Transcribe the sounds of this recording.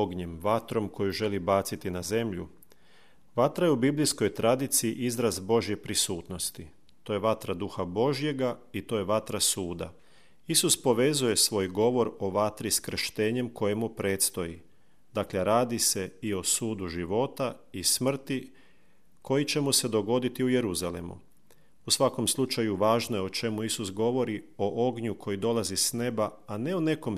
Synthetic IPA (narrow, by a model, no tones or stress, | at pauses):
oɡɲe̞mʋat̪ɾo̞mko̞juʒe̞libaːt̪sit̪inaze̞mʎṵ | ʋat̪ɾajeubiblisko̞jt̪ɾad̪it̪siiʔizɾazbo̞ʒjepɾisuːt̪no̞st̪i | t̪o̞ːje̞ʋat̪ɾad̪uxabo̞ʒje̞ɡait̪o̞ːje̞ʋat̪ɾasuːd̪a̰ | isuspo̞ʋe̞zuje̞sʋo̞ːjɡo̞ʋo̞ɾo̞ʋat̪ɾiskɾ̩ʃt̪e̞ːɲe̞mko̞jemupɾe̞ːt̪st̪o̞ji | d̪̥akleɾaːd̪ise̞io̞suːd̪uʒiʋo̞t̪aismr̩t̪i | kʰo̞jit͡ɕe̞muse̞d̪o̞ɡo̞d̪it̪iuje̞ɾuzalḛmṵ | usʋako̞mslˠut͡ʃajuʋaːʒnojeo̞t͡ʃe̞muisusɡo̞ʋo̞ɾio̞ʔoɡɲukʰo̞jid̪o̞lˠazisne̞ba | ane̞one̞ko̞m